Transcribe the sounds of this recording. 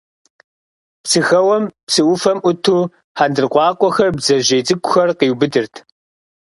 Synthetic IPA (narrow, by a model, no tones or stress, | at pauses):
psɨxɐwɐmpsɨʔʊfɐmʊtʰuː | ħaːndɨrqʷɑːkʷʼɔxɐrbzɐʑejt͡sʼɨkʷʼʊxɐrqiːwbɨdɨrtʰ